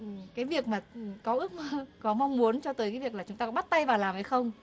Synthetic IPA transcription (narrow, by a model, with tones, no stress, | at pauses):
kaː˨˦jvi˨˩ək̚maː˨˩˨kɔ˨˦ʔɨ˦˥ək̚mə˧kɔ˨˦ma˧wŋ͡mmu˨˦ənt͡ɕɔ˧t̪əː˨˦ka˨˦vi˨˩ək̚lːt͡ɕʊ˨˦ŋ͡mt̪ːɔ˨˦ɓa˦˥t̚t̪a˧jvaː˨˩wlaː˨˩mhə˧jxə˧wŋ͡m